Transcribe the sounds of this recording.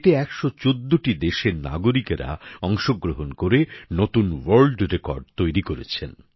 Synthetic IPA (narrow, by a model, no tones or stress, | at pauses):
ʈeɛkʃot͡ɕod̪ːoʈid̪eʃeɾna̰ɡoɾikɾa̰ɔŋʃoɡɾoɦonkoɾenot̪unwɐɾlɖɾekɔ̰ɾɖ̚t̪ojɾikoɾḛt͡ɕʰen